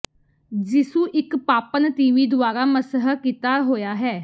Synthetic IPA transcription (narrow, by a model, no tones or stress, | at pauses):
d͡ʒɪsũːʔɪkpaːpənt̪iːʋiːd̪ʊaːɾaːməsɦəkiːt̪aːɦoːjaːɦɛː